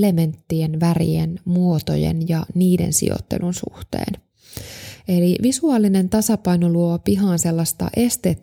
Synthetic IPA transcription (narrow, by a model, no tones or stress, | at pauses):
le̞me̞nt̪ːienʋærḭenmuot̪o̞̰jḛnjɑniːdḛnsḭo̰t̪ːe̞̰lunsṵht̪ḛːn | e̞liʋisuɑlːine̞nt̪ɑsɑpɑjnoluopiɦɑːnse̞lːɑst̪ɑ̰ʔe̞st̪et̪ː